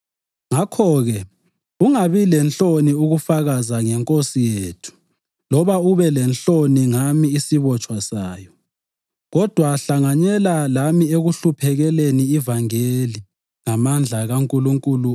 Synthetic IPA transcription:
ŋakʰɔɣɛ | uŋaβilɛnt͡ɬoniuɣufaɣazaŋɛŋkʼosijeːtʰu̥ | lɔβauβɛlɛnɬoniŋamiːsiβɔt͡ʃʼwasaːjɔ | ɣɔd̥ʱwaɬaŋaɲɛlalamieɣuɬupʰɛɣɛleniivaŋeli | ŋamand͡ɮʱaɣaŋkʼuluŋkʼulu

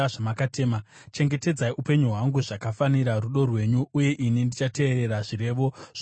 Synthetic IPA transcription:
aʐamakatʰeːma | t͡ʃe̞ŋɡe̞te̞d͡zaiʔupe̞ɲuɦwaŋɡuʐakafaniɾaruɗo̞rwe̞ɲuuje̞ʔinindit͡ʃate̞ːɾe̞ɾaʐiɾe̞ːʋo̞̥

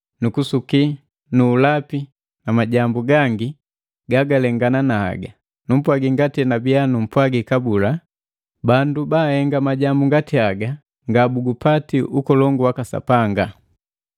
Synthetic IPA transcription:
nukusuki | nuːlapi | namaɟambuɡaŋɡi | ɡaɡalɛŋɡananaha̰ɡa | num̩pwaɡiŋɡatinabianum̩pwaɡikabula | bandubaːhɛŋɡamaɟambuŋɡatiaɡa | ŋɡabuɡupatiʔukɔlɔŋɡuwakasa̰paŋɡa

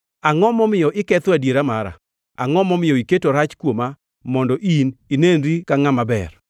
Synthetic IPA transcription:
aŋɔmɔmɪjɔʔɪkɛt̪oadjeɾamaɾa̰ | aŋɔmɔmɪjɔiketoɾat͡ʃkwoma | mɔndɔʔininenɾikaŋamabɛ̰r

